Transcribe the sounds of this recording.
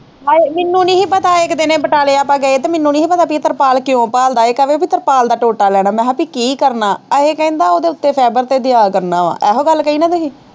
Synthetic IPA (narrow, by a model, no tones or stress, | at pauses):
ɦaːemɪnːũːnĩːɦiːpət̪aːɪkd̪enẽːbəʈaːleːaːpãːɡəeːt̪eːmɪnːũːnĩːɦiːpət̪aːpit̪əɾpaːlkɪjõːpaːld̪aːekəʋeːpiːt̪əɾpaːld̪aːʈoːʈaːlɛːɽ̃aːmɛ̃ːɦapiːkiːkəɾnaːəeːkɛ̃ːnd̪aːoːd̪eːʊt̪ːeːpʰɛːbəɾt̪eːd̪ɪjaːkəɾnaːʋã̰ːʔɛːɦõːɡəlkəiːnaːd̪eːɦiː